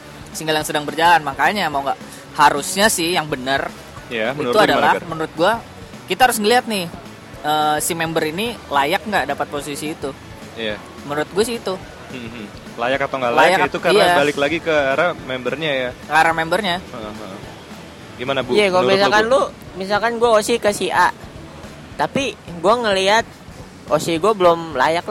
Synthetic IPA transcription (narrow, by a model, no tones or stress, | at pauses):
siŋɡaljaŋsədaŋbərd͡ʒalanmakaɲamauŋɡaʔ | haɾusɲasɪhjaŋbənər | jaməinɾuadalahmənuɾʊt̪̚ɡua | kit̪ahaɾʊsŋəliɦat̪̚nɪh | əːsimɛmbəɾinilajak̚ŋɡaʔdapat̪̚posisiːt̪u | ija | mənuɾʊt̪̚ɡuasɪit̪u | lajakːat̪aŋɡalajajakit̪ukaiaabalɪklaɡikəaɾamɛmbərɲajaaɾamɛmbərɲaɦ | ɡimanabjakalomsalkanlumis̬alkanɡuaosikəsiʔaʔ | t̪apiɡuaŋəliɦat̪̚ | ʔosiɡuabəlomla̰jak̚la